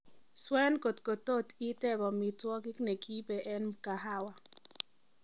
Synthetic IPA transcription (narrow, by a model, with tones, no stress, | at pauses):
swɛ˦nko˨tko˨to˦˨ti˦tɛ˦bɔ˨mi˨twɔ˦ɡɪ˦kne˨kʰi˦bɛ˨ʔɛ˦nka˨ɦa˦wa˨